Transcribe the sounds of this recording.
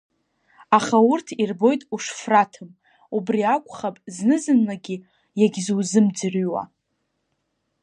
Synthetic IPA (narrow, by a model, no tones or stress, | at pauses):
aχaurtʰirbo̞jtʼuʂfratʰɨm | ubriakʷʼχapʼznɨzɨnlaɡʲi | jaɡʲzuwzɨmd͡zɨrɥwa̰